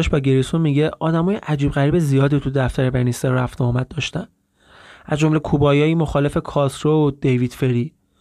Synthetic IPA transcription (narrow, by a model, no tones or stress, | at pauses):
ɛʃbɒːɟeɾisonmiːɟeʔɒːd̪æmɒːjeʔæd͡ʒiːbɣæɾiːbezijɒːd̪it̪ʰud̪æft̪æɾebæniseɾːæft̪ɒːmæd̪̚ːɒːʃt̪æn | ʔæzd͡ʒo̞mle̞kʰubɒːjɒːjiːmo̞xɒːle̞fe̞kʰɒːsɾod̪̥ejvid̪̥feɾi